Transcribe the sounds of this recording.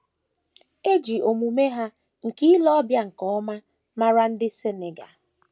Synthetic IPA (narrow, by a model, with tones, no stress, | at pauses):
e˦d͡ʒi˨o˨mu˨me˦ɦa˦ | ŋ̩˨ki˦i˦lɔ˦bja˦ŋ̩˨kɔ˨˦ma˦ | ma˦ɾa˦n̩˦dɪ˦se˦ne˨ɡa˨